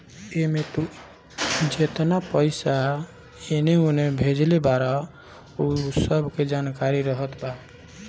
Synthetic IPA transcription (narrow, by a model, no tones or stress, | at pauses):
emet̪u | d͡ʒet̪napəɪsa | eneunebʱed͡ʒlebaɾa | usəbʱked͡ʒankaɾiɾəɦət̪ba